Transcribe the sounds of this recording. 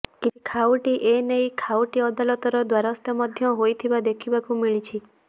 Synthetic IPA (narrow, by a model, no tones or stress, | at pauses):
kit͡ʃʰikʰawʈiʔenejkʰawʈiɔd̪alɔt̪ɔɾɔd̪waɾaɔst̪jɔmɔd̪ʱjɔɦojt̪ʰibad̪ekʰibakumiɭit͡ʃʰi